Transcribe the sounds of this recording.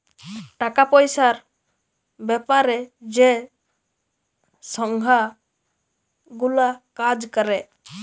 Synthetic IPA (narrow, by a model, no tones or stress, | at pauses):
ʈakapɔjsaɾ | bɛpaɾɛd͡ʒɛ | sɔŋɡʱa | ɡulakad͡ʒkəɾɛ